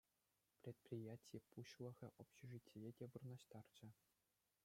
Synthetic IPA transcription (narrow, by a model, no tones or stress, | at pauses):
prʲet̪̚prʲijætʲijepuɕlˠɤ̆ɣʲɘ̆ʔopɕĕʐitʲːijedʲeʋɯrnɑɕt̪ɑrd͡ʑɘ̆